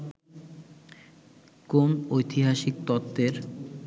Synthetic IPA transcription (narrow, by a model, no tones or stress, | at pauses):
komojt̪ʰiɦaʃik̚t̪ɔt̪ːeɾ